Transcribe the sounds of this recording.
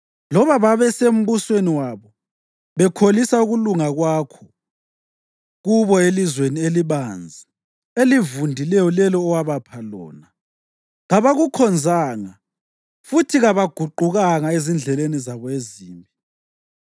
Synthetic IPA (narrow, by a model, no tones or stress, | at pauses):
lɔβaβaβɛsem̩βusweniwaβɔ | βɛkʰolisauɣuluŋaɣwaːkʰɔ̥ | ɣuβɔelizwenieliβand͡zʱi | elivundʱilɛjɔlɛlɔːwaβapʰalɔ̰ːna | ɣaβaɣukʰɔnd͡zʱaŋa | futʰiɣaβaɡ̥ʱuǃuɣaŋaezind͡ɮʱɛlenizaβɔeziːmbʱi